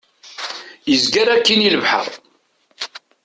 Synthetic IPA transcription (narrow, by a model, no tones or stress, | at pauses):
əzɡæɾækːiniləvħə̰ðˤ